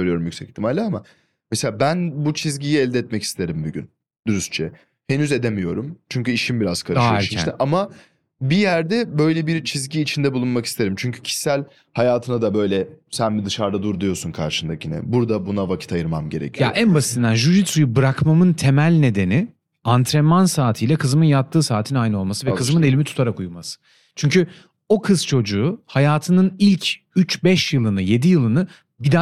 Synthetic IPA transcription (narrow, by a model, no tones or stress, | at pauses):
øɾyjo̞ɾumjycsɛci̥t̪ʰimalʲlʲːaama | meselʲaːbænbut͡ʃʰizɟijiɛlʲd̪ɛːt̪mɛci̥st̪ʰe̞ɾimbuɟʲy̰n | d̪̥uɾyst͡ʃʰɛ | he̞nyze̞d̪emijo̞ɾumt͡ʃʰyɲcyiʃimbiɾazkʰaɾɯʃʃʰiʃt̪ɛʔama | bijæɾd̪ɛbø̞jlʲɛbiɾt͡ʃʰizɟiːt͡ʃʰind̪ɛbulˠunmaki̥st̪e̞ɾimt͡ʃʰyɲcʰy̥cʰi̥ʃsælʲ | hajaːt̪ʰɯnad̪abø̞jlʲɛsænbid̪ɯʃaɾd̪ad̪uɾd̪ijo̞ɾsunkʰa̰ɾʃɯnd̪acinɛ̰buɾd̪abunavacʰit̪ajɯɾmamɟe̞ɾecʰija̰ʔænbasi̥t̪ʰind̪anʒyɾit̪sujubɯɾakmamɯnt̪ʰe̞mælʲne̞d̪e̞ni | ant̪ʰɾɛmansaːt̪ʰijlʲɛkʰɯzɯmɯnjapt̪ːɯːsaːt̪ʰinajnɯo̞lˠmasɯvɛkʰɯzɯmɯne̞lʲimit̪ʰu̥t̪ʰaɾakujmasɯ̥ | t͡ʃʰyɲcʰy | o̞kʰɯzt͡ʃʰo̞d͡ʒuːhajaːt̪ʰɯnɯnilʲcʰ | yt͡ʃbɛʃjɯlˠɯnɯje̞d̪ijɯlˠɯnɯ | bid̪a